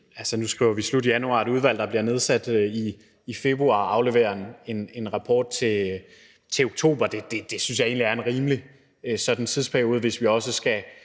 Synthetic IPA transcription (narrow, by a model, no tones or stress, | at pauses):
ælsənusɡ̥ʁḭʊ̰ɐʋislud̥ijænuɑ̰̈eɾuð̞ˠʋæl̰d̥ɑb̥liɐne̝ð̞ˠsæd̥iː | fe̝b̥ʁuɑ̰̈ɑ̈ʊleʋḛːɐne̝ne̝nʁɑ̈pʰɒ̰ːd̥̚t͡sʰe̝ | t͡sʰe̝oɡ̥̚t͡sʰo̝̰ːb̥ɐd̥e̝d̥e̝d̥e̝synsjɑ̈e̝̰ːnliæɐenʁiːmli | øsɒ̽d̥n̩t͡sʰiðˠspʰæɐjo̝ːð̞̩ˠʋe̝sʋiɒ̽s̬əsɡ̥æ